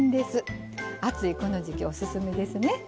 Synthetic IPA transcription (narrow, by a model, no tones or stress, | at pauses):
nd̪e̞sɨ | at͡sɨiko̞no̞ʑikʲiosɨsɨme̞d̪e̞sɨne̞